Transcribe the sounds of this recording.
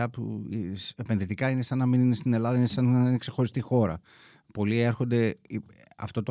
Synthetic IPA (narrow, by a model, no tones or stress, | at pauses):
ɐpṵsepe̞nðit̪ikɐine̞sɐnːɐminine̞st̪inelɐðɐinesɐnineksexo̞ɾist̪ixo̞ɾɐ̰ | po̞lie̞ɾxo̞nd̪e̞ | ɐ̰ft̪o̞t̪o